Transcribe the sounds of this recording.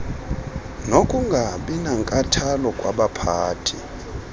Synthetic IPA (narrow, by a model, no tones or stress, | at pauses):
nokʼuŋɡʱaɓinaŋkʼatʰalɔkʼwa̰ɓapʰaːtʰi